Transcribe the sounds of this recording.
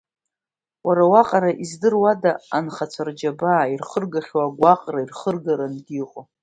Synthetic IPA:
waɾawaqʼaɾaʔizdɨrwadaanχat͡sʷʰard͡ʒabaːirχərɡaχʲwaːɡʷaqʼrairχərɡaɾanɡʲiqʼo

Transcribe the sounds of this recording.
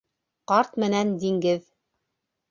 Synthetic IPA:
qɑɾt̪mɘ̆nænd̪iŋɡɘð

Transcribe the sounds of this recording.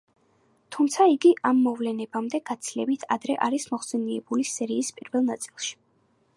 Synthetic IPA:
t̪ʰumt̪sʰaiɡiʔamːɔvlɛnɛbamd̪ɛɡ̥at̪sʰilɛbit̪ʰa̰d̪ɾɛʔaɾismɔχsɛniɛbulisɛɾiːspʼiɾvɛlˠnat̪sʼilˠʃi̥

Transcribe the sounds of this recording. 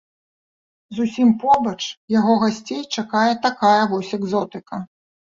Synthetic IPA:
zusʲimpɔbɐt͡ʂjaɣɔɣasʲt͡sʲejt͡ʂakajɛt̪akajɐvɔsʲɛɡzɔt̪ɨkɐ

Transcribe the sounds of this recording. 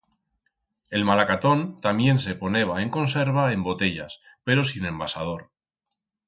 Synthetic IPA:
e̞lmalakat̪o̞nt̪amje̞ns̬e̞po̞ne̞β̞ae̞ŋko̞nse̞ɾβ̞ae̞mbo̞t̪e̞ʎa̰s | pe̞ɾo̞sinẽ̞mbasað̞o̞ɾ

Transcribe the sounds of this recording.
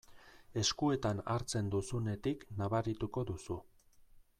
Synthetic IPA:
e̞skue̞t̪anaɾt͡se̞nd̪usune̞t̪iknaβaɾit̪uko̞ðusu

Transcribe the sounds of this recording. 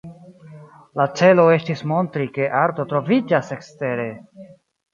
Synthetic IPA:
lat͡se̞lo̞estismo̞ntɾike̞ʔaɾto̞t̪ɾo̞vid͡ʒase̞kste̞ɾe̞

